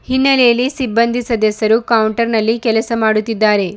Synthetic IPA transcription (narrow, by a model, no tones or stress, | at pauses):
hinːɐlejɐlːisibːɐnd̪ʱisɐd̪ɐsɐɾukɐwuɳʈɐɾnɐlːikɛlɐsɐmaːɽut̪ːid̪ːaːɾe̞